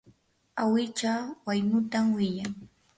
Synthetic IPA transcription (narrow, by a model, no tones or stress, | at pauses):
awɪt͡ʃawajnʊt̪amwɪjaŋ